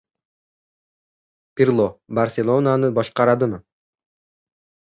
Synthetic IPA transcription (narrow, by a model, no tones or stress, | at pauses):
pʲirlˠobarsʲelˠonanɯbɑʃqɑɾɑd̪ɯm